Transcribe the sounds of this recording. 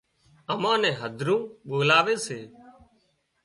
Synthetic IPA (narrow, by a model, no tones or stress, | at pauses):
əmãːnɛ̃ːɦəd̪ʱɾũːɓoːlaːʋeːseː